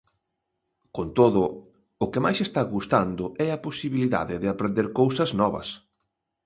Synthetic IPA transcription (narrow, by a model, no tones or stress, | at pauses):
kont̪oðʊ | ʊkemajsest̪aɣust̪and̪ʊʔɛɐposiβiliða̰ðɪðɪapɾẽnd̪eɾkowsɐznɔβɐ̰s